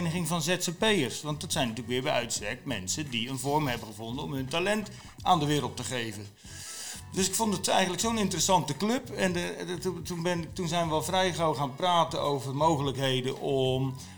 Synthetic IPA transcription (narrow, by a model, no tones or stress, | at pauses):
nəχɪŋvɑnzɛtsəpejərsʋɑnt̚dɑtsɛjnətyːləkʋɪːɹbɛjʔœɥtstɛɹk̚mɛ̰nsədiənvɔrmɦɛbəχəvɔndənɔmɦɵntalɛnt | aːndəʋɪːɾəlˠtəχejvən | dɵsɪkfɔndətɛ̰jɣəntləksownɪntərəsɑntəklɵpɛnətunbɪnɪtunzɛjnʋəɑlˠvrɛjχowχaːnpraːtənowvərmowχələkɦejdənʔɔm